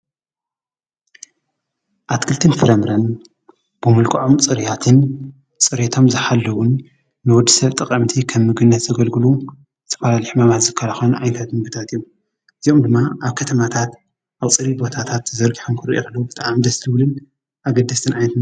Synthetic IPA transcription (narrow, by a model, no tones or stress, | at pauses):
ʔat̪kʰɨlt̪ʰɨnfɨɾɐmɾɐn | b̥ɨmɨlkʰʼɐʕomt͡sʼɨɾijat̪ʰɨn | t͡sʼɨɾet̪ʰo̞mzɨħalːɐwʊnː | ɨwɔd̪ːisɐβt̪ʼɨkʼɐmt̪ʰikʰɐmːɨɡɨnːɐt̪zɐɡɐlɡɨlu | ɨt̪ʰːɐ̥falaliħmamat̪zɨkʰːalaxɐnʔa̰jnt̪ʰat̪mɨɡt̪ʰat̪ijːu | ʔɨzio̞md̪ɨmːaʔaβkʰɐt̪ʰɐmat̪ʰat̪ | ʔaβt͡sʼɨɾibo̞t̪ʰat̪ʰat̪zɐɾɡʼiħomkʰɨɾiʔokɐlːɐbɨt̪ʼaʕmid̪ɐslɨwlɨn | ʔaɡɐd̪ːɐst̪ʰɨnʔajnɐt̪ɨn